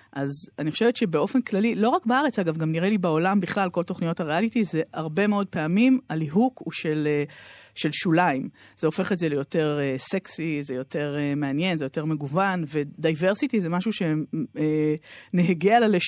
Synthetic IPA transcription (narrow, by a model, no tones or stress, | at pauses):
ʔazaniχoʃevetʃebeo̞fe̞nklalilo̞ʁakbaaʁet͡saɡavɡamniʁelibeo̞lambiχlalko̞lto̞χnijo̞thaʁealitize̞aʁbe̞meo̞d̚peamimaliɦukʰuʃeleʃelʃulaimz̥eofe̞χetzelejo̞te̞ʁeseksizejo̞te̞ʁemeanje̞nzejo̞te̞ʁme̞ɡuvanve̞dajve̞ʁsitizemaʃuʃe̞eneɦeɡialele